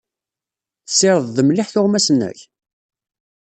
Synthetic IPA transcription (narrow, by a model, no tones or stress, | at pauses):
θəsːɪɾˤəðˤðəmlɪħθʊʁmæsnːæ̰ç